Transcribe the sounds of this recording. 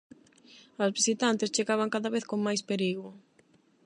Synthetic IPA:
azβisit̪ant̪ɪst͡ʃeɣaβaŋkaðɐβeθkoŋmajspeɾiɣʊ

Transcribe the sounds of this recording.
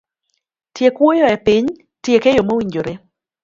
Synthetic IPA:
tjekwojɔɛpiɲ | tjekɛjomowiɲd͡ʒoɾe

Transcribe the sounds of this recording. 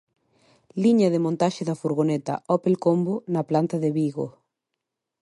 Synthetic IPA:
liɲɐðemõnt̪aʃɪðɐfuɾɣ̞onet̪ɐ̰ʔɔpelkombonɐplant̪ɐðeβiɣo̰

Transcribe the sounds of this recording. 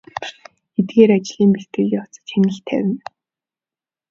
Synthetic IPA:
et̪̚ɡeːɾat͡ɕɮiːmpeɬt̪ɘ̆ɮjaw̥t͡sə̥̆t͡ɕxenɘ̆ɬt̪ʰæ̰wʲɘ̆n

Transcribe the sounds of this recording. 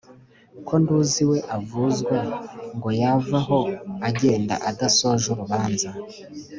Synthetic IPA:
kʰo̞nduːziwe̞ʔavuzɡwaŋɡo̞javaɦo̞aɟe̞ːnda̰ʔadaso̞ʒuɾuβaːnza

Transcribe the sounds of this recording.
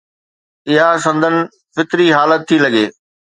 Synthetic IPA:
ɪɦasɐ̃nd̪ʱənɪ̆ | fɪt̪ɾiɦaːlət̪ʰːilɐɡeː

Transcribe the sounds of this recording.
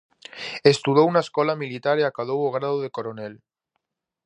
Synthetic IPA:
est̪uðounaeskolamilit̪aɾeakaðowoɣ̞ɾaðoðekoɾonel

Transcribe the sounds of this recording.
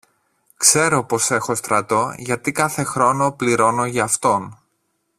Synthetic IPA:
kse̞ɾo̞po̞se̞xo̞st̪ɾɐt̪o̞ʝɐt̪ikɐθe̞xɾo̞no̞pliɾo̞no̞ʝɐːft̪o̞n

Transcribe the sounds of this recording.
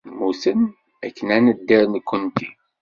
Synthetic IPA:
musən | ækːənænəd̪ːiɾnkːənt̪i

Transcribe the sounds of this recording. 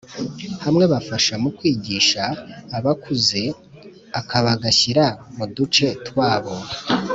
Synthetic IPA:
hamŋe̞βafaʃamukwiːɟiːʃaːβakʰuze̞ | akʰaβaɡaçiɾamudut͡ʃe̞twaːβo̞a

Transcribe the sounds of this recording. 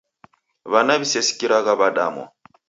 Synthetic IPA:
βanaβisɛsi̥kiɾaɣaβaɗa̰mɔ̰

